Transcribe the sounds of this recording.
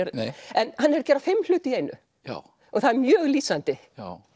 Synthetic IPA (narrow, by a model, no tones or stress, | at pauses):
ɛɾɛnhanːɛɾcɛːɾafɪmːl̥ʏːt̪ɪieːjnʔʏ̰ | a | ɔɣθaðɛɾmjœːɣliːsant̪ɪ